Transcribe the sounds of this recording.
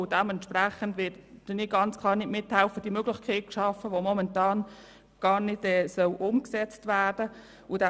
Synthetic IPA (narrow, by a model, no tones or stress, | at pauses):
ʊd̥ɛmɛntʃpræχəndʋɪtd̥əniɡ̥ɑnt͡skʰlˠɑːɾnɪdmɪthæʊfəd̥imøɡlɪçkʰeːt̚kʃɑfəʋomɔmɛntɑːn | ɡ̥ɑːɾnɪd̥ɛːsœlʔʊmksɛt͡stʋæːd̥ə | ʊd̥a